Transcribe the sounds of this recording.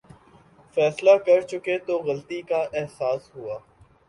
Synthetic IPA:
fɛːslakɐɾt͡ʃʊket̪oːɣəlt̪ikaʔɛɦsaːsɦʊaː

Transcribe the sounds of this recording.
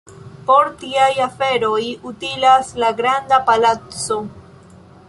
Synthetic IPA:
po̞ɾtiajafe̞ɾojutilaslaɡɾand̪apalat͡so̞

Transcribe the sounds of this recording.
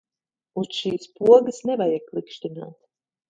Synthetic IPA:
usʃiːspuɔɡəsnɛvajaklˠikʃt̪ina̰ːt̪

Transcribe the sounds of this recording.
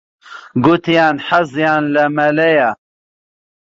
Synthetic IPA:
ɡut̪jaːnħazjaːnlɐmɐlɐja

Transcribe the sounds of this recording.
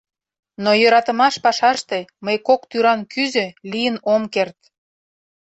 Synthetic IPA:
nojøɾɑt̪ə̆mɑʃpɑʃɑʃt̪eməjkokt̪yɾɑnkyzø̆lijənomkert̪̚

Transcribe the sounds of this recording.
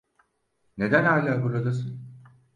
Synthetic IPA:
ne̞d̪ænhaːlʲaːbuɾad̪asɯn

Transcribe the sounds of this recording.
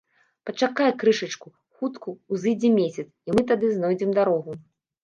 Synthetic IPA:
pɐt͡ʂakajɛkɾɨʂɐt͡ʂku | xut̪kuːzɨjd͡zʲɛmʲesʲɐt̪simɨt̪ad̪ɨznɔjd͡zʲɛmd̪aɾɔɣu

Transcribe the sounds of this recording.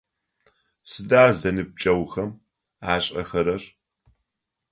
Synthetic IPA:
sɨdaːzɐnɨb̚t͡ʃʼɐwxɐm | aːɕʼɐxɐɾɐɕ

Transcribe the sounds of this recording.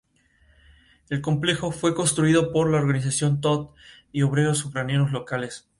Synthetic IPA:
e̞lko̞mple̞xo̞fwe̞ko̞nst̪ɾuiðo̞po̞ɾlaoɾɣanis̬asjo̞nt̪ot̪̚ | io̞β̞ɾe̞ɾosːukɾanjenozlo̞kales

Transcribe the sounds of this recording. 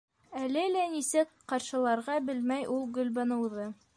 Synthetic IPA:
ælɘlænisɘkqɑɾʃɤ̆lˠɑɾʁɑbɘlmæjʔulˠɡɵ̆lβænɤ̆wðɤ

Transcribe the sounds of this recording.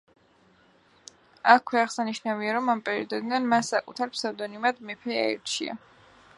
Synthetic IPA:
akʰwɛaχsaniʃnaviaɾɔmampʼɛɾiɔd̪ɔd̪nanmasakʼut̪ʰaɾpʰsaɾd̪ɔnimad̪mɛpʰɛa̰ɛɾt͡ʃʰḭa̰

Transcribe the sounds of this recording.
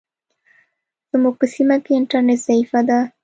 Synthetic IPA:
z̥muɡ̚pəsimakeɪɳʈaɾneʈz̥aifad̪a

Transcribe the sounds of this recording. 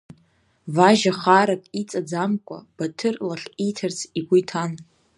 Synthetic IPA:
vaʒaχaɾakʼit͡sʼad͡zamkʷʼa̰b̥atʰɨrlaχejtʰart͡sʰiɡʷujtʰan

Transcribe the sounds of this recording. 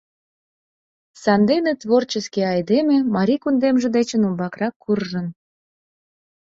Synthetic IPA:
sɑnd̪enet̪βort͡ɕəskeɑjd̪emĕmɑɾʲikund̪emʒĕd̪et͡ɕənumbɑkrɑkːurʒən

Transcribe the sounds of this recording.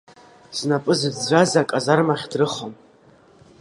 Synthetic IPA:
z̥napʼɨzɨzd͡ʒʷazakʼazarmaχʲdrɨχom

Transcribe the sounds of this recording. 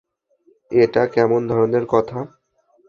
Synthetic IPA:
eʈakɛmond̪ʱɔɾoneɾkɔt̪ʰa

